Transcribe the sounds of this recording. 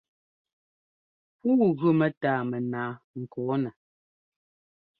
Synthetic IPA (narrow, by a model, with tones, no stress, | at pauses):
puː˦ɣʉ˦mɛ˨taː˨˦˨mɛ˨naː˨˦ŋ̩˨kɔː˨˦nɛ˨